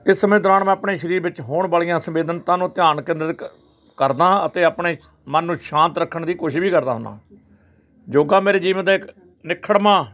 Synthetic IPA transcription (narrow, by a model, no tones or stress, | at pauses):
ɪsːəmẽːd̪ɾaːɳmɛ̃ːəpɳeːʃəɾiːɾbɪt͡ʃɦoːɳbəːɭijãːsəmbeːd̪ənt̪ãːnũːt̪ɪjaːnkɪ̃nd̪ɾ | kəɾd̪ãːət̪eːəpɳeː | mənːũːʃãːnt̪ɾəkʰːəɳd̪iːkoːʃɪʃbʱiːkəɾd̪a̰ːɦʊna̰ː | d͡ʒoːɡaːmeːɾeːd͡ʒiːʋəd̪aːɪk | nɪkʰːəɽmãː